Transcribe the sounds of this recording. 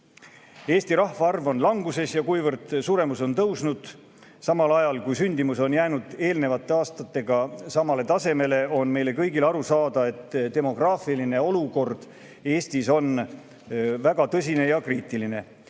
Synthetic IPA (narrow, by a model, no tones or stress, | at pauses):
e̞ːst̪iɾɑhvɑɑrvo̞nlɑŋɡ̥use̞sjɑkujvɤrd̪̥suɾe̞muso̞nt̪ɤwsnud̪̥ | sɑmɑlɑjɑlkujsynʲd̪̥imuso̞njæːnud̪̥e̞ːlne̞vɑt̪ːˑe̞ɑːst̪ɑt̪ːˑe̞ɡ̥ɑsɑmɑle̞t̪ɑse̞me̞le̞o̞nme̞jle̞kɤjɡilɑɾusɑːd̪̥ɑe̞t̪ːt̪e̞mo̞ɡ̥rɑːfiline̞o̞luko̞rd̪̥ | e̞ːst̪iso̞n | væɡ̥ɑt̪ɤs̬ʲine̞jɑkriːt̪ːˑiline̞